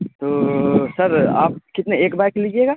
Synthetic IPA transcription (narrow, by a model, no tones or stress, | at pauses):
t̪oːsɐɾa̰ːp̚kɪt̪neeːkbajklid͡ʒieɡaː